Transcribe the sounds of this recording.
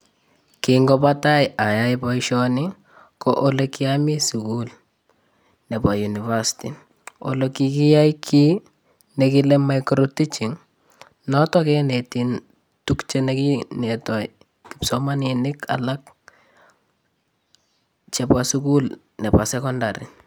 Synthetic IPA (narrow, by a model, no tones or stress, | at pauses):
kiŋɡɔpatajajaipɔiʃɔnɪ | kɔʔolekiamisukul | nepajunivasi̥ti | o̰lokikijaikʰi | nekilemajkɾotit͡ʃiŋ | nɔtɔkɛnetin | tukt͡ʃenekinetɔi | kipsɔmaninɪka̰lak̚ | t͡ʃɛpwasukul | nɛpwasɛkɔndaɾḭ